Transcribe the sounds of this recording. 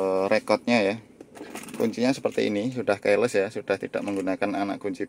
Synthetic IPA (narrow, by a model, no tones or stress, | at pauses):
ɾekɔt̪̚ɲaja | kṵɲt͡ʃiɲasəpərt̪ḭːnisudahkajləsjasud̥aht̪id̥a̰ʔməŋɡunakanana̰ʔkuɲt͡ʃi